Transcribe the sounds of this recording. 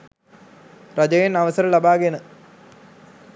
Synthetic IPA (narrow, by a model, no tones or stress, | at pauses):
rɐd͡ʑɐjinɐʋɐsɐɾɐɭɐbaːɡenɨ